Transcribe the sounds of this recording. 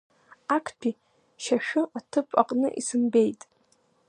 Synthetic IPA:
akʰpʲʰi | ʃaʃᶣʊatʰɨpʼa̰qʼnɨ̰ʔisɨmbe̞jtʼ

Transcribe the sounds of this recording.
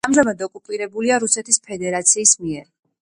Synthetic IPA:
amzamad̪ɔkʼupʼiɾɛbuliaɾusɛt̪ʰispʰɛd̪ɛɾat̪sʰiːsmiɛɾ

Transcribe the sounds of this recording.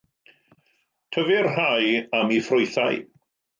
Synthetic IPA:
tʰəvɪrɦajamifrʊjθaj

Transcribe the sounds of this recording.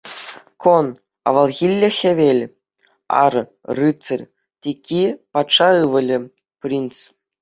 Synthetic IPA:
kon | ɑ̰ʋɑlˠɣʲilʲːɘ̆xʲĕʋʲelʲ | ɑ̰rrɯt͡sɘ̆rʲ | tʲikʲʰːipɑt̪ʂɑɯʋɤ̆lʲɘ̆ | pʲrʲint͡s

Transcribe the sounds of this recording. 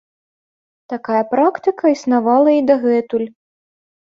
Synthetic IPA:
t̪akajɐpɾakt̪ɨkɐisnavalˠɐid̪aɣɛt̪ulʲ

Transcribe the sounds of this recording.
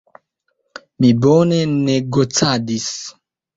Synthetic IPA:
miboneneɡot͡sadis

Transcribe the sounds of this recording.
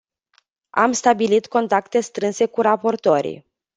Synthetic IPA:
a̰mst̪abilit̪ko̞nt̪akt̪e̞st̪ɾɨnse̞kuɾapo̞rt̪oɾḭ

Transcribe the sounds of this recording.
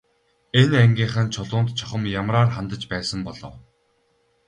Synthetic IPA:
enæŋɡʲiːɴχaːnt͡ɕʰʊɮʊːnt̪t͡ɕʰɔχə̆mjamraːrχant̪ə̆t͡ɕpæːsə̆mpɔɮɞ̰̆w

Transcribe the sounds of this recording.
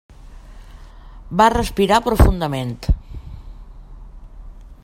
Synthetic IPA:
barəspiɾapɾufund̪əment̪

